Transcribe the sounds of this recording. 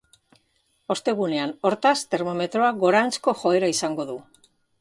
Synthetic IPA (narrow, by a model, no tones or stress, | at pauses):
o̞st̪e̞ɣ̞une̞ano̞ɾt̪ast̪e̞ɾmo̞me̞t̪ɾo̞aɣo̞ɾant͡sko̞xo̞e̞ɾaisaŋɡo̞ðu